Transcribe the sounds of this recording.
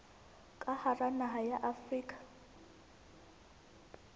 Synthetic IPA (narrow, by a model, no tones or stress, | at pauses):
kʼaharanaɦajaʔafriːkʼḁ